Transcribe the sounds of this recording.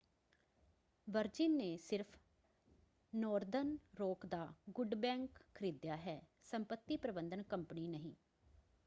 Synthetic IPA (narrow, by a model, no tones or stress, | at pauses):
ʋəɾd͡ʒɪnːeːsɪɾpʰ | nɔːɾd̪ənɾoːkd̪aːɡʊɖbɛ̃ːŋkkʰːəɾiːd̪jaːɦɛː | səmpət̪ːiːpɾəbənd̪ənkəmpniːnəɦĩː